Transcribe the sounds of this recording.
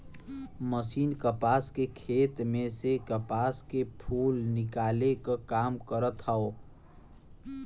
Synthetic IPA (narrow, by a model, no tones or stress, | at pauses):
məsiːnkəpaːskekʰet̪mẽsekəpaːskepʰuːlnɪkaːlekakaːmkəɾət̪ɦao